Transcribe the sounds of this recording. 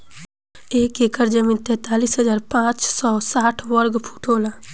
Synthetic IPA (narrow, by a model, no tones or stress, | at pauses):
eːkeːkəɾd͡ʒəmiːnt̪ɛ̃ːt̪aːliːsɦəd͡ʒaːɾpãːt͡ʃsɔːsaːʈʰwəɾɡpʰu̥ːʈʰoːlaː